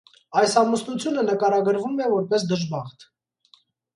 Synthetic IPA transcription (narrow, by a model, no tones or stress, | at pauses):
ɑjsɑmusnut͡sʰjunənəkɑɾɑɡəɾvumɛvɔɾpɛsd̪əʒbɑχt̪ʰ